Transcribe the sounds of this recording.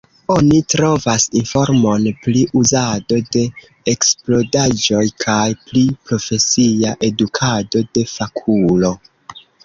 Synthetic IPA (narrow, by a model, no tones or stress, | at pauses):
o̞nitɾo̞vasinfo̞ɾmo̞npliʔuzado̞de̞ | eksplo̞dad͡ʒo̞jkʰajplipɾo̞fe̞siaʔe̞dukʰado̞de̞fakʰulo̞